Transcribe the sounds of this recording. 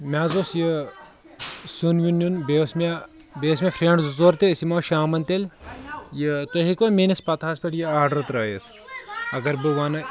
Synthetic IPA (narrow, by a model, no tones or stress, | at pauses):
mʲaːzoːsjə | sunjunːʲunbesmʲa | beːs̬mʲefʰɾeːɳɖzzoːɾt̪esimaːʃaːmɐnt̪elʲjət̪ɐɦikɐmeːnʲispɐt̪ʰaːsʲpʲeʈjiaːɾɖɐɾt̪ɾɐːjɐ̰t̪ʰ | ɐɡɐɾbɨʋaːnɐ